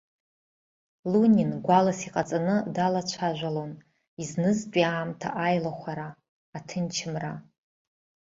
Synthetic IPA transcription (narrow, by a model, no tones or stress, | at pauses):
lunʲinɡʷalasiqʼat͡sʼanɨdalat͡ɕʷʰaʒᶣʷalon | iznɨzt͡pʼiaːmtʰaʔajlaχʷaɾaː | tʰɨnt͡ʃʰɪmra